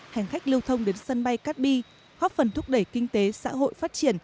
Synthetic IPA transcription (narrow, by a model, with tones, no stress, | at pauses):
ha˨˩jŋ̟xa˦˥jk̟̚lɨ˧wt̪ʰə˧wŋ͡mɗe˨˦nsə˧nɓa˧jkaː˦˥t̚ɓi˧ | ɣɔ˦˥p̚fə˨˩nt̪ʰʊ˦˥k͡p̚ɗə˧˩jkï˧ŋ̟t̪e˨˦sa̰ː˧˥ɦo̰˧˨jfaː˦˥t̚t͡ɕi˧˩ən